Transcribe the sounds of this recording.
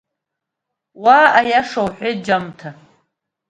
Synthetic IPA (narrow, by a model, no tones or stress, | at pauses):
waːʔajaʂawħʷɪd͡ʒamtʰa